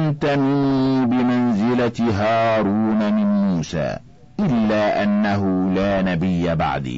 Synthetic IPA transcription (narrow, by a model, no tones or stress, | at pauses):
mt̪amɪnːbɪmanzɪlaɦɑːɾuːnamɪnmuːsa̰ː | ʔɪlːaːʔanːaɦʊlaːnabɪjːaba̰ʕd̪ḭː